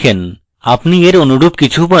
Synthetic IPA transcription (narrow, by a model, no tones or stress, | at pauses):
en | apnieɾonuɽub̚kit͡ɕʰubo